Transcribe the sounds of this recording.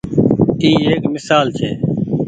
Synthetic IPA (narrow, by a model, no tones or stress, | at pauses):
t̪iːɦeːkmɪsaːlt͡ʃʰḛː